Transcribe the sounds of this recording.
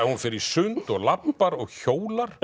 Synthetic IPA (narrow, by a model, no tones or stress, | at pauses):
ɛhunfɪɾɪɾ̥sʏnt̪ɔɣlapːaɾɔɣçoːwlaɾ̥